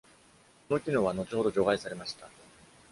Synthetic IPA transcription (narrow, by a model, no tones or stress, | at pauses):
kono̞kʲino̞βano̞t͡ɕiho̞d̪o̞ʑo̞ɡaisaɾe̞maɕi̥t̪a